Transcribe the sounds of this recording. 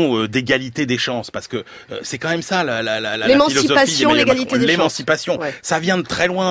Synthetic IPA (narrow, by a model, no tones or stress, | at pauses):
ød̪eɡalit̪ed̪eʃɑ̃spaʁsə̥kə | øsɛkɑ̃mɛmsalalalalalemɑ̃silɔizɔafsijɔ̃leɡalied̪lemɑ̃sipasjɔ̃savjɛ̃d̪ət̪χɛlwɛ̃